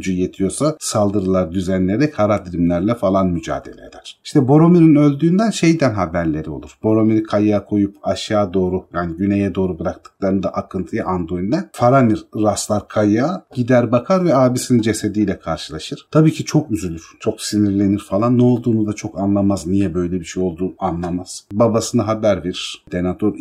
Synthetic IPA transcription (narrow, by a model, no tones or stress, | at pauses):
d͡ʒyje̞t̪ʰijo̞sasalˠd̪ɯɾɯlˠaɾd̪yzænlʲeɾɛkʰaɾad̪iɾimlʲæɾlʲɛfalˠanmyd͡ʒa̰ːd̪e̞lʲḛd̪æɾ̥iʃt̪ʰɛbo̞ɾo̞miɾinø̞lʲd̪yːnd̪ænʃe̞jd̪ænɦabæɾlʲe̞ɾio̞̰lˠuɾ̥b̥o̞ɾo̞miɾikʰajaːkʰo̞jupaʃaːd̪o̞ːɾujaːniɟyne̞jɛd̪o̞ːɾubɯɾak̚t̪ʰɯ̥k̚lˠaɾɯnd̪a̰ʔakʰɯnt̪ʰɯjaʔand̪ɾojind̪ɛnfaɾaniɾːaslˠaɾkʰajaːɟid̪æɾbakʰaɾvɛaːbisinind͡ʒe̞sed̪ijlʲɛkʰaɾʃɯlˠaʃɯɾ̥t̪ʰabiːcʰit͡ʃʰo̞kyzylʲyɾt͡ʃʰo̞ksiniɾlʲe̞niɾfalˠanːɛo̞lˠd̪uːnud̪at͡ʃʰo̞kanlˠamaznijɛbø̞jlʲɛbiʃejo̞lˠd̪uːanlˠamaz̥babasɯnaɦabæɾviɾd̪̥enat̪ʰoɾ